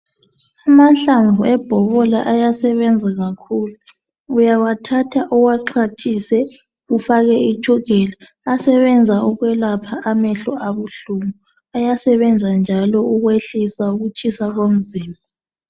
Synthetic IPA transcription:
amaɬaɱvʱuɛb̥ʱɔβɔlaʔajasɛβɛnd͡zʱaɣakʰulu | ujawatʰatʰaʔɔɣwaǁʰat͡ʃʰʼisɛ | ɣufaɣɛi̥ʒ̥ʰʱɔɡ̥ʱɛla | asɛβɛnd͡zʱauɣwɛlapʰaʔːmɛɬɔʔaβuɬumu | ajasɛβɛnd͡zʱand͡ʒʱalɔuɣweɬisauɣut͡ʃʰʼisaɣom̩ziːmbʱa

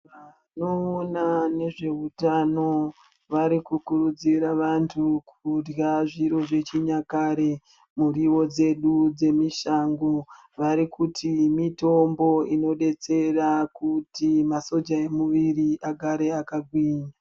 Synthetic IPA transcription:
ʋa | no̞ːnane̞ʐe̞utano̞ | ʋaɾikukuɾud͡ziɾaʋantʰukʰurjaʐiɾo̞ʐe̞t͡ʃiɲakaɾe | muɾiʋo̞d͡ze̞ɗud͡ze̞miʃaŋɡo | ʋaɾikutʰimito̞mbo̞ino̞ɗe̞t͡se̞rakutimaso̞d͡ʒae̞muʋiriʔaɡʱaɾe̞akaɡʱwiɲa

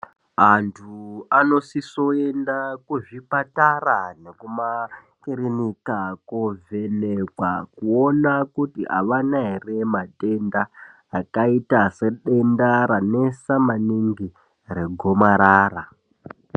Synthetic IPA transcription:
antʰuano̞siso̞endakuʐipatarane̞kuma | kiɾinikakove̞nekwa̰kuo̞nakutiʔa̰ʋanaɦere̞mate̞ndaː | kaitase̞ɗe̞ndaɾane̞samaniŋɡi | re̞ɡʱomaɾaːra

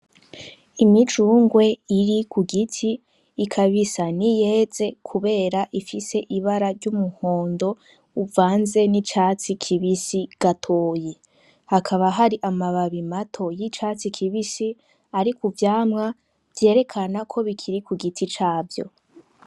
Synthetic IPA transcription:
imid͡ʒuːŋɡwe̞iɾikʰuɡitʰiː | kʰaβisanije̞ze̞kʰuβe̞ːɾaʔifise̞ʔiβaɾaɾɟumuho̞ːndo̞ | uvaːnze̞nit͡ʃaːt͡sikʰiβisiɡ̥atʰo̞ːji | hakʰaβaɦaɾiʔamaβaβimatʰo̞jit͡ʃaːt͡sikʰiβisi | aɾikuvjaːmŋa | vje̞ːɾe̞kʰanakʰo̞βikʰiɾikuɡitʰit͡ʃaːvjo̞̰

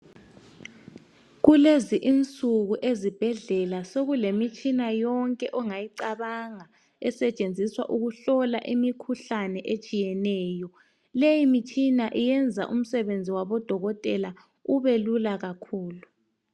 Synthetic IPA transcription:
ɣuleziʔint͡sʼuɣuʔezib̥ʱɛɮɛlasoɣulemit͡ʃʼinajɔŋkʼɛʔɔŋajiǀaβaŋa | ɛsɛt͡ʃʼend͡zʱiswa̰ʔuɣuɬɔla̰ʔimikʰuɬanɛʔet͡ʃʼijɛnɛːjɔ | lejimit͡ʃʼinaʔijɛnd͡zʱa̰ʔum̩sɛβend͡zʱiwaβɔd̥ʱɔɣɔtʼɛla | uβelulaɣakʰuːlu

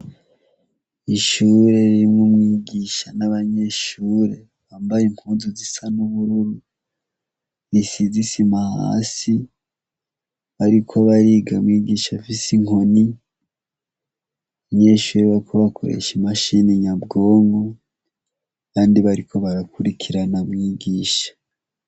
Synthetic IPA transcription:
iʃuːɾe̞ɾiimŋomŋiːɡiːʃanaβaɲe̞ʃuːɾe̞ | βaːmbajemuːnzuzisanuβuɾuɾu | ɾisizisimaha̰ːsi | βaɾikʰo̞βaɾiːɡamwiːɡiːʃafisiŋo̞ni | βaɲe̞ːʃuːɾeβaɾikʰo̞βakʰoɾḛʃimaʃiniɲabɡo̞ːŋɡo̞ | kaːndiβaɾikʰo̞βaɾakuɾikʰiɾanamŋiːɡiːʃḁ

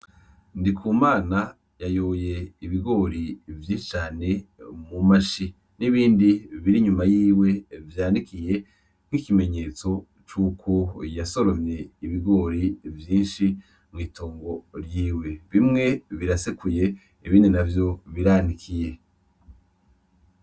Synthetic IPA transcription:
ndikʰuːmaːna | jajoːje̞iβiɡo̞ːɾivjiʃit͡ʃaːne̞mumaʃi | niβiːndiβiɾiɲumajiːwe̞vjaːnikʰije̞ | ŋ̥hikime̞ɲe̞ːt͡so̞ | t͡ʃuːkʰojaso̞ɾo̞mje̞iβiɡo̞ːɾivjiːnʃi | mŋiːtʰoːŋɡo̞ɾjiːwe̞βimŋe̞βiɾasekuje̞ | iβiːndinavjo̞βiɾaːnikʰije̞

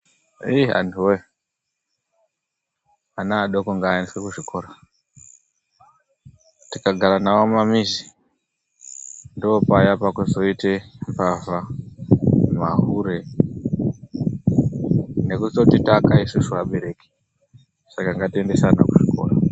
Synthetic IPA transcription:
ia̰ntʰuwe | anaːɗokuŋɡaːeniswekuʐikʰo̞ːɾa | tikaɡʱaɾanawomamizi | ndopajapakuzo̞itepava | maɦuɾe | ne̞kut͡sotitakaisusuaɓe̞ɾe̞ki̥ | sakaŋɡatie̞nde̞sanakuʐikʰo̞̰ra

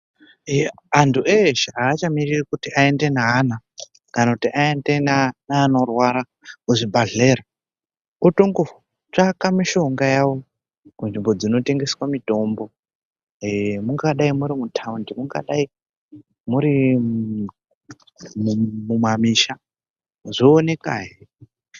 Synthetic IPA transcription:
antʰuʔeʃaaːt͡ʃamiririkutiʔae̞nde̞naːna | kanakutiʔaendenanaːno̞rwaɾa | uʐibʱaɮe̞ːɾa | utoŋɡo | t͡ʂakamiʃo̞ŋɡajawo̞ | kunʐimbo̞d͡zino̞te̞ŋɡe̞swamito̞mbo̞ | emuŋɡaɗaimuɾimutʰaundimuŋɡa̰ɗai | muɾi | mumumamiʃa | ʐoːne̞ka̰ːɦi

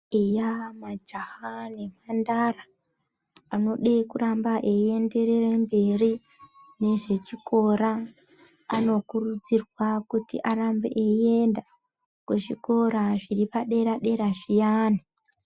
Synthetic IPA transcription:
ejamad͡ʒahane̞mandara | ano̞ɗekurambaʔe̞ie̞nde̞ɾe̞rembe̞ri | ne̞ʐe̞t͡ʃikʰo̞ɾaː | no̞kurud͡zirwakutḭʔarambḛʔeie̞nda | kweʐiko̞ɾaʐiripaɗe̞ɾaɗe̞ɾaʐijaːni

